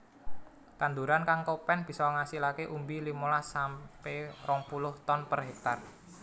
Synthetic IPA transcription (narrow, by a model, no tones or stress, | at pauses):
t̪and̪uɾankaŋkopɛnb̥i̤sɔŋasilakeʔumbilimolasamperɔŋpulʊht̪ɔnpərɦɛk̚t̪ar